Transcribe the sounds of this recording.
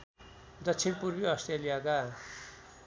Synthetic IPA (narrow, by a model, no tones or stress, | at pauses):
d̪ʌtt͡sʰinpurbiʌsʈrelijaka